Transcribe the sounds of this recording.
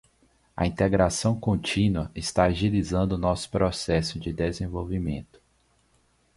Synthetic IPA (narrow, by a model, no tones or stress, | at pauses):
ɐ̰ĩnt̪eɡɾasɐ̃w̃kõnt͡ʃĩnwɐɪst̪aaʒilizɐ̃nd̪ʊnɔsʊ̥pɾɔsɛsʊd͡ʒɪd̪ezẽvowvimḛ̃nt̪ʊ̥